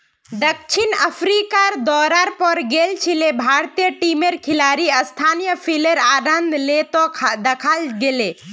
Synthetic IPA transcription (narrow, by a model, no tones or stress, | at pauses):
d̪əkʃʰinəpʰɾikaɾd̪ɔːɾaɾpɔɾɡelt͡ʃʰilebʱaːɾt̪ijəʈimeɾkʰɪlaːɾiɐst̪ʰaːnjəpʰileɾaːɾənd̪ʱlet̪od̪ɐkʰalɡele